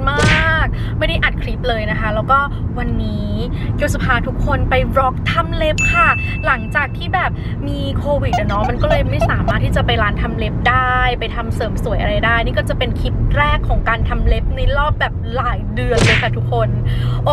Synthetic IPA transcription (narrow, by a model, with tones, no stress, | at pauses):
maː˥˩k̚ | ma˥˩jda˥˩jʔa˨˩t̪̚kʰɾi˦˥p̚lɤː˧jna˦˥kʰa˦˥lɛː˦˥wkɔː˥˩ | wa˧nːiː˦˥ji˦˥˩s̬a˨˩pʰaː˧t̪ʰu˦˥kʰːo˧npa˧jɾɔ˦˥k̚t̪ʰa˧˥mle˦˥p̚kʰa˥˩la˨˩˦ŋt͡ɕaː˨˩k̚t̪ʰiː˥˩bɛː˨˩p̚ | miː˧kʰoː˧wi˨˩t̪̚ʔa˨˩nɔ˦˥ma˧nkɔː˥˩lɤː˧jma˥˩jsaː˩˦maː˥˩t̪ʰːiː˥˩t͡ɕa˨˩pa˧jlaː˦˥nt̪ʰa˧mle˦˥p̚daː˥˩jpa˧jt̪ʰa˧msɤː˨˩˦msu˨˩˦jʔa̰˧ɾa˧jdaː˥˩jniː˥˩kɔː˥˩t͡ɕa˨˩pe˧nkʰi˦˥p̪̚ɾɛː˥˩kʰːɔː˩˦ŋkaː˧nt̪ʰa˧mle˦˥p̚na˧jɾɔː˥˩p̚bɛː˨˩p̚laː˨˩˦jdɯ˧ənlɤː˧jkʰa˥˩t̪ʰu˦˥kʰːo˧nʔo˧